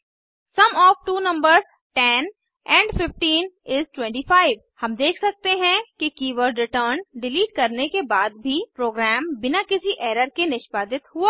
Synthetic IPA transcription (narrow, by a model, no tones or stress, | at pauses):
sɐmɔːfʈuːnɐ̃mbəɾz | ʈɛn | ɛ̃ːɳɖfɪfʈiːnɪzʈwɛ̃ɳʈifaːɪʋ | hɐmd̪eːkʰsɐk̚t̪eɦɛ̃kikiːʋəɾɖɾɪʈəːɾnɖɪliːʈ̚kɐɾnekebaːd̪̚bʱipɾoːɡɾɛːmbɪnakɪsiʔeːɾəɾkenɪʃpaːd̪ɪt̪ɦuaː